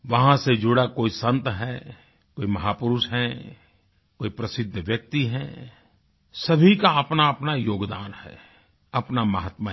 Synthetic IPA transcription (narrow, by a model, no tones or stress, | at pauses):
ʋɐɦãsed͡ʒʊɽakoːisə̃nt̪ɦɛː | koːimɐɦaːpʊɾʊʃɦɛ | koːipɾɐsɪd̪ʱːʋjək̚t̪iɦɛː | sɐbʱikaɐpnaɐpnajoːɡd̪aːnhɛ̰ | ɐpnamɐɦət̪ma